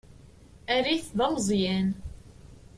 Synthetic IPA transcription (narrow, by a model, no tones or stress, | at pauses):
æɾiθðˤɑmzˤjæn